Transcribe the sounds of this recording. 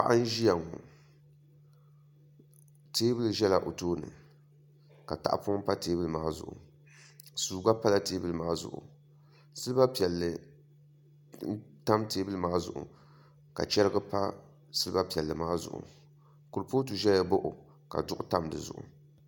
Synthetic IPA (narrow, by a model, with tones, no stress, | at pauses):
pa˦˨ʔa˦n˦ʒi˦ja˨ŋo˨ | teː˦bɨ˦lʒɛ˦la˨ʔo˨toː˦nɨ̰˨ | ka̰˨ta̰˨ʔpːm˦pa˦teː˦bɨ˦lɨ˨maː˦zʊ̰˨ʔʊ̰˨ | suː˨ɡa˦pa˦la˦teː˦bɨ˦lɨ˦˨maː˦zʊ̰˨ʔʊ̰˨ | sɨ˦ɨ˦ba˦pi˨ɛ˨lːɨ˨˦ | ta˦mteː˦bɨ˦lɨ˦maː˦zʊ̰˨ʔʊ̰˨ | ka̰˨t͡ʃɛ˦ɾɨ˦ɡɨ˦pa˦ | sɨ˦lɨ˦ba˦pi˨ɛ˨lːɨ˨maː˦zʊ̰˨ʔʊ̰˨ | ku˨ɾpoː˦tu˨ʒɛ˦a˦bo˦ʔʊ˨ | ka̰˨dʊ˦ʔʊ˦ta˦mdɨ˨zʊ̰˨ʔʊ̰˨